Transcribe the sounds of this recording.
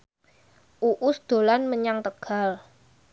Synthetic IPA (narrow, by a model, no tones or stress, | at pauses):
ʔuʔʊsd̪̥o̤lanməɲaŋt̪əɡ̥a̤l